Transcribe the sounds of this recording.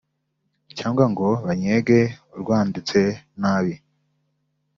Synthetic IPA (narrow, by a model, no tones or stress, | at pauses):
caːŋɡwaŋɡo̞βaɲeɡe̞uɾɡwaːndit͡se̞naːβi